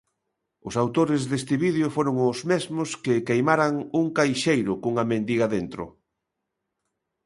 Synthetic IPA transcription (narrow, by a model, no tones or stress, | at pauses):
ʊsawt̪oɾɪzðest̪ɪβið̞eofoɾoŋʊzmezmʊskɪkejmaɾaŋuŋkajʃejɾʊkoŋamẽnd̪iɣaðent̪ɾʊ̰